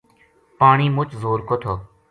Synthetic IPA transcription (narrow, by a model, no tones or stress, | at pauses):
paːɳiːmʊt͡ʃzoːɾkoːt̪ʰoː